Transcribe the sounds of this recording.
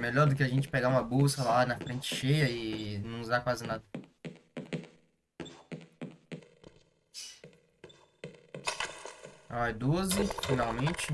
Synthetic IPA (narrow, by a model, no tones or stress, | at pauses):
meʎɔɾd̪ʊkɪɐʒẽnt͡ʃɪ̥peɡaũmɐbosɐlanɐfɾẽnt͡ʃɪ̥ʃejɐɪnɐ̃w̃uzakwazɪnad̪ɐ | ɔɛd̪ozɪfinawmẽt͡ʃɪ